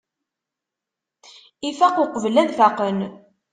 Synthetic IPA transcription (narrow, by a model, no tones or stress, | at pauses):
ifæqʊqəvəlæðfæqən